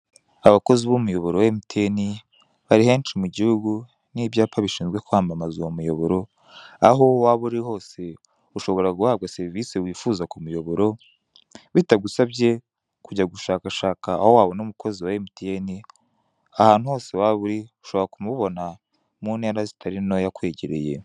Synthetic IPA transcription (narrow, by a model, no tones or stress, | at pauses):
aβako̞ziβumujo̞βoɾowaemitieni | βaɾihe̞ːnʃimuɟihuɡu | niːβjaːpaβiʃiːnzɡwe̞kuaːmbamazuwomujo̞βoɾo̞ | aɦowaβuɾiho̞ːse̞ | uʃo̞βo̞ɾaɡuhaːβɡase̞ɾvisewiːfuzakumujo̞βo̞ɾo̞ | βitaɡusabɟe̞ | kuɟaɡuʃaːkaʃaːka̰ːhowaβo̞nomukʰo̞ziwaemitieni | ahaːn̥huho̞ːse̞waβuɾiu̥ʃo̞βoɾakumuβo̞na | muːne̞ːɾazitʰaɾino̞jakwe̞ːɟeɾe̞̰je̞̰